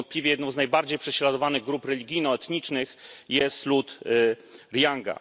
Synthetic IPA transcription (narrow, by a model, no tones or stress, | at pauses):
nt̪̚plʲivjɛjɛd̪nɔ̃w̃znajbaɾd͡ʑejpʂɛɕlad̪ɔvanɘɣɡɾupɾɛlʲiɡʲijnɔɛt̪ɲit͡ʂnɘxjɛst̪lut̪ | ɾjaŋɡa̰